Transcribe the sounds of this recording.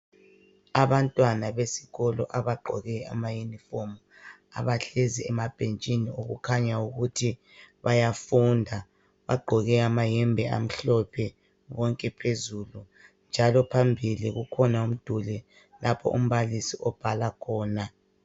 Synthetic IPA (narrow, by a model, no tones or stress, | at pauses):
aβantʼwanaβesi̥ɣɔlɔ̰ʔaβaɡ͡ǃʱɔɣɛa̰majunifomu | a̰βaɬeziɛmab̥ʱent͡ʃʼinioɣṵkʰaɲauɣutʰi | βajafundʱa | βaɡ͡ǃʱɔɣɛamajɛmbʱɛa̰m̩ɬɔpʰɛ | βɔŋkʼɛpʰezulu | nd͡ʒʱalɔpʰambʱiliɣukʰɔnaum̩d̥ʱulɛ | lapʰɔ̰ʔṵm̩βalisiʔɔb̥ʱalakʰɔːna